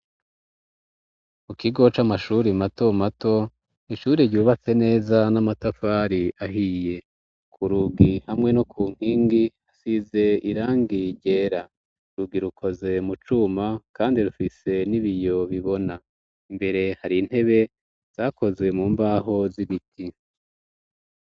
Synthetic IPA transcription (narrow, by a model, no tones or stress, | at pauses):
mukiɡo̞t͡ʃamaʃuːɾimato̞mato̞ | iʃuːɾeɾɟuːβat͡se̞ne̞ːzanamatafaːɾiʔaɦije̞ | kʰuɾuɡihamŋe̞nokʰuːŋ̥hiːŋɡi | asize̞iɾaːŋɡiɟe̞ːɾa | ɾuɡiɾukʰo̞ze̞mut͡ʃumakaːndiɾufise̞niβijo̞βiβo̞na | imbe̞ɾe̞haɾin̥he̞βe̞ | z̥aːko̞zwe̞muːmbaːɦo̞ziβitʰi